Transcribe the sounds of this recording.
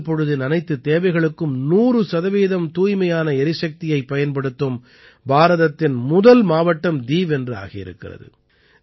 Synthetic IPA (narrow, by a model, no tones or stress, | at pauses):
pːɔɻɯðɪnɐnɐɪt̪ːɯt̪eːʋɐɪɣɐɭɯkːɯmnuːrɯsɐðɐʋiːðɐmt̪uːjmɐjaːnɐɛɾɪsɐk̚t̪ɪjɐɪpːɐjɐnpɐɽɯt̪ːɯm | bʱaːɾɐðɐt̪ːɪnmʊðɐlmaːʋɐʈːɐmd̪iːʋɛndrɯa̰ːɣɐjɪ̰ɾɯ̰kːɪ̰rɐ̰ðɯ̰